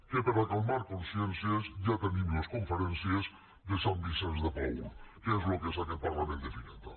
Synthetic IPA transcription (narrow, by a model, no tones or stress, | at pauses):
kepaɾakalmaɾkõnsjẽnsjezʒat̪enĩmoskõɱfeɾẽnsjez | ðesambisẽnzðepo̰wkezlokesakepaɾlamẽnd̪efiẽnt̪a